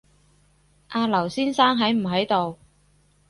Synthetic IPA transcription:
ʔaː˧lɐ˨˩wsiː˥nsaː˥ŋɦɐ˨˥jm̩˨˩ɦɐ˨˥jt̪o˨w

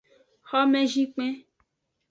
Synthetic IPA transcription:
xɔ˦mẽ˦ʒĩ˦k͡pẽ˦

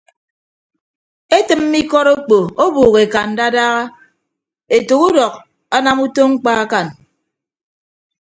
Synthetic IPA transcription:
e˦tɨ˨m̩˦mi˦kɔ˦ɾo˦k͡po˨o˦buː˨ɣe˨ka˨n̩˨da˦daː˦ɣa˦ | e˨to˨ku˦dɔ˨k̚ | a˦na˦mu˦to˦ŋ͡m̩˦k͡pa˦a˦ka˨n

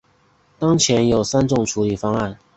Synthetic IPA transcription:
t̪ɑ˥ŋt͡ɕʰjɛ˧˥njo˨˩ʊsa˥nʈ͡ʂʊ˥˩ŋʈ͡ʂʰu˧˥li˨˩fɑ˥ŋa˥˨n

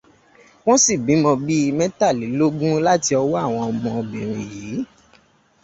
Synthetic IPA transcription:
w̃ɔ̃˦si˦˨bi˨˦mɔ̃˧bi˦˧mɛ̃˦ta˦˨li˨˦lo˦ɡũ˦la˦ti˧ɔ˧wɔ˦a˦˨w̃ɔ̃˧ɔ˧mɔ̃˧ɔ˧bi˨ɾ̃ĩ˨ji˨˦

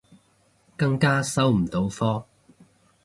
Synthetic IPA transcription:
kɐ˧˥ŋkaː˥sɐ˥wm̩˨˩t̪o˨˥wfɔː˥

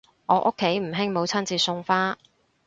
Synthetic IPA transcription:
ʔɔː˨˧ʔʊ˥kʰːe˨˥jm̩˨˩ɦɪ˥ŋmo˨˧wt͡sʰɐ˥nt͡siː˧sʊ˧ŋfaː˥

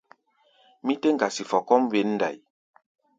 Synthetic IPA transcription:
mĩ˦te˦ŋ˦ɡa˨si˨fɔ˨kɔ˦m˦ve˨˦n̩ː˦da̰˨j

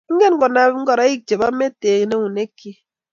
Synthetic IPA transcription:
ŋ̩˦ɡe˦n̩˦ɡɔ˨na˨˦ŋ̩˦ɡɔ˨ɾa˦ji˦k̚d͡ʒe˨ba˦me˦teː˨ɣne˦wu˨ne˦ki˦

